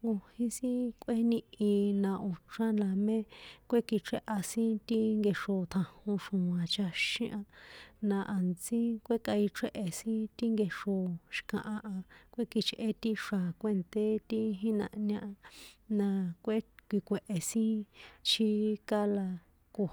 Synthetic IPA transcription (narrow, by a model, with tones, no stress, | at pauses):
ŋɡo˧hĩ˧sĩ˦kʷʔe˦nĩ˧ĩ˧nã˧ʔo˨ʈ͡ʂã˦la˧mẽ˦kʷe˦ki˧ʈ͡ʂʰe˦ʔa˧sĩ˦t̪i˦ŋɡe˧ʂo˧t̪ʰã˧hũ˧ʂũ˨ã˨t͡ʃa˧ʃĩ˦ʔã˧nã˧ʔa˨nt͡sĩ˦kʷe˦ka˧i˧ʈ͡ʂʰe˦ʔe˨sĩ˦t̪i˦ŋɡe˧ʂo˧ʃi̥˧kã˨ʔã˧ʔã˧kʷe˦ki˧t͡ʃʔe˧t̪i˦ʂa˨kʷe˦˨nt̪e˦t̪i˦ɦĩ˦nã̰˧ʔnã˧ʔa˧nã˧kʷe˦kʷi˧kʷe˨ʔe˨sĩ˦t͡ʃʰi˧ka˦la˧ | ko˧